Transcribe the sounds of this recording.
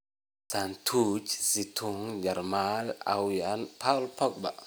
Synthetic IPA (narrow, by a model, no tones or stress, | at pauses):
sant̪ʰut͡ʃsit̪ʰuŋd͡ʒaɾmala̰wjanpʰawlpʰɔk̚baʔ